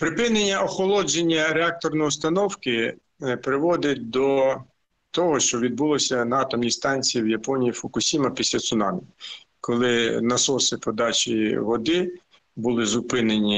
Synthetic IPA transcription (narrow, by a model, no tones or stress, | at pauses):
pɾɪpɪnenʲːɐɔxɔlˠɔd͡ʒenʲːɐɾeɑk̚t̪ɔrnɔjɔst̪ɐnɔwkɪ | pɾɪʋɔd̪ɪt̚ʲd̪ɔ | t̪ɔɦɔʃt͡ʃɔʋʲid̪̚bulˠɔsʲɐnɐɑt̪ɔmnʲist̪ɑnʲt͡sʲijiwjɐpɔnʲijifɔkʊsʲimɐpʲisʲlʲɐt̪sʊnɑnʲɪ | kɔlˠɪnɐsɔsɪpɔd̪ɑt͡ʃʲḭʋɔd̪ɪ | bʊlˠɪzʊpɪnenʲi